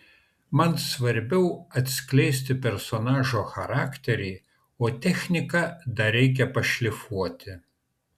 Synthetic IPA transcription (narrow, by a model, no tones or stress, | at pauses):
mɐnsʋɐɾʲbʲɛʊɐt̪ʲsʲkʲlʲɛɪsʲt̪ʲɪpʲɛɾsoːnɑːʒoːxɐɾɑːkt̪ʲɛɾʲɛɪ | oːt̪ʲɛxʲnʲɪkɐd̪ɐɾʲɛɪk̬ʲɛpɐʃʲlʲɪfuɔt̪ʲɪ